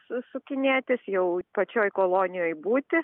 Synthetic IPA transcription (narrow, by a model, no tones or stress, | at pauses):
sʊsʊkʲɪnʲeːt̪ʲɪsjɛʊpɐt͡ʃʲoːjkoːlˠoːnʲɪjoːjbuːt̪ʲɪ